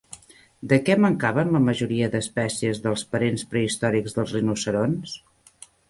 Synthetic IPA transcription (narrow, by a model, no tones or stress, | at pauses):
d̪əkɛməŋkaβənləməʒuɾiəðəspɛsiəzðəlˠspəɾenspɾəist̪ɔɾikzðəlˠzrinusəɾons